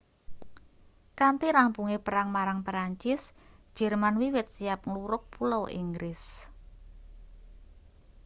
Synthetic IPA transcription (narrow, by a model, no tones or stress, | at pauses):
kant̪iɾampuŋepəɾaŋmaɾaŋpɾaɲt͡ʃɪsd̥ʒ̥ɛ̤rmanwiwɪt̪̚sijap̚ŋluɾʊk̚pulowʔḭŋɡɾɪs